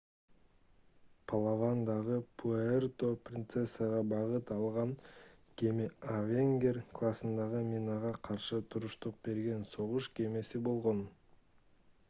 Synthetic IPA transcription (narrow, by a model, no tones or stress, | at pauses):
pʰalˠavand̪ɑʁəpʰuert̪o̞prʲint̪sesːaʁɑbɑʁət̪ɑlˠʁɑnkʲʰemɪavʲeŋɡʲe̞rkʰlˠasənd̪ɑʁəmʲinɑʁɑqʰɑɾʃət̪ʰʊɾʊʃt̪əq̚be̞ɾɡʲe̞nso̞ʁəʃkʲʰe̞me̞sɪbo̞lˠʁon